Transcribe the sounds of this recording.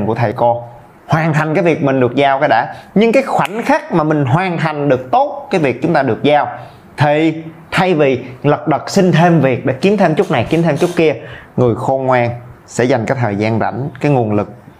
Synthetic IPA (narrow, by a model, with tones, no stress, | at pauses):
kṵ˧˩ət̪ʰə˨˩jkɔ˧ | hwaː˨˩nt̪ʰa˨˩jŋ̟kaː˨˦jvi˨˩ək̚mï˨˩ŋ̟ɗɨ˨˩ək̚zaː˧wkaː˨˦ɗa̰ː˧˥ɲɨ˧ŋkaː˨˦jxwa̰˧˩˦nxaː˦˥k̚maː˨˩mï˨˩ŋ̟ɦwaː˨˩nt̪ʰa˨˩jŋ̟ɗɨ˨˩ək̚t̪o˦˥t̚kaː˨˦jvi˨˩ək̚t͡ɕʊ˨˦ŋ͡mt̪aː˧ɗɨ˨˩ək̚zaː˧w | t̪ʰi˨˩ | t̪ʰa˧jvi˨˩lə˨˩p̚ɗə˨˩k̚sï˧ŋ̟t̪ʰe˧mvi˨˩ək̚ɗḛ˧˥ki˨˦əmt̪ʰe˧mt͡ɕʊ˦˥k͡p̚na˨˩jki˨˦əmt̪ʰe˧mt͡ɕʊ˦˥t̚ki˧əŋɨ˨˩əjxo˧ŋwaː˧nsɛ̰˧˥za˨˩jŋaː˨˦jt̪ʰəː˨˩jzaː˧nza̰˧˩ŋ̟kaː˨˦jŋu˨˩ənlɨ˨˩k̚